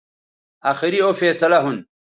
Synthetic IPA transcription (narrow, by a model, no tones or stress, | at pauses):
aːxiɾiofeːsɐlɐɦun